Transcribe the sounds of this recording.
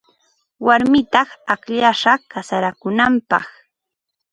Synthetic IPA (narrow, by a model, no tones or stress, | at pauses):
waɾmɪt̪ɑχakʎaʃɑkasaɾakʊnampɑ̰χ